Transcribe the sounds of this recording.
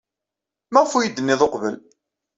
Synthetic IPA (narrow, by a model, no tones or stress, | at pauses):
mæʁfujəd̪ənːiðˤoqvəl